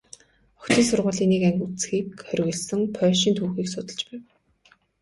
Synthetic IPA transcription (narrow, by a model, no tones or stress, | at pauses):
ɔ̥kt̪iːŋsʊrʁʊːɮiːniːkæŋɡut͡sxiːkχœr̆ʲɣɘ̆ɮsɘ̆ŋpʰœːʃiːnt̪ʰuːxiːksʊt̪ə̆ɮt͡ɕpæːw